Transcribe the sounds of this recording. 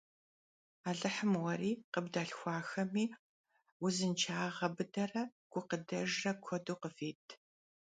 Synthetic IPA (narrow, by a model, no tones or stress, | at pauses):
aːɮɨħəmwɐɾiːqəbdaːɬxʷɑːxɐmiː | wʊzɨnt͡ʃʰaːʁɐbɨdɐrɐ | ɡ̥ʷʊqədɐʒrɐkʷʰɔduːqəfeːtʰ